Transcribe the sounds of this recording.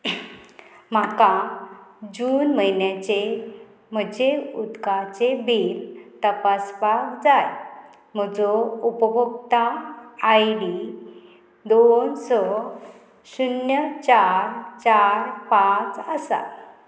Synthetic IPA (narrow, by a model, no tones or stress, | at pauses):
m̤aka | d͡ʑuːnməjnjat͡ɕe | m̤əd͡ʑeud̪kat͡sebilt̪əpaspakd͡zaj | m̤əd͡zɔupəbʱuk̚t̪aajɽi | d̪onsɔ | sunjət͡ɕaɾt͡ɕaɾpat͡səsa̰